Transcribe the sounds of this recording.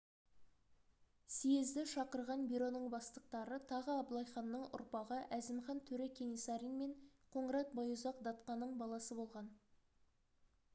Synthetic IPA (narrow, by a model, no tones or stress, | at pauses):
sijezd̪ɪʃɑqəɾʁɑnbiɾo̞nəɴbɑst̪əq̚t̪ɑɾət̪ʰɑʁəɑblˠɑjχɑnːəɴʊ̰ɾpɑʁəʔæzɪmχɑnt̪ʰɵɾekʲʰe̞nisɑɾinme̞ɴqʰo̞ɴəɾɑt̪̚bɑjuzɑqd̪ɑt̪qɑnːəɴbɑlˠɑsəbo̞lˠʁɑn